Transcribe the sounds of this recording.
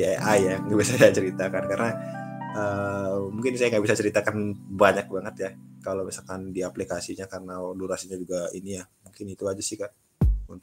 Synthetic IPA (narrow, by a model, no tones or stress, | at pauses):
ɛʔajaŋɡabisajajat͡ʃəɾit̪akankarənaəmuŋkɪnsajaŋɡabisat͡ʃəɾit̪akanbaɲak̚baŋət̪jakalomisalkandiaplikasiɲakarənaoluɾasiɲad͡ʒuɡainijamuŋkɪnit̪uad͡ʒusɪhka | unt̪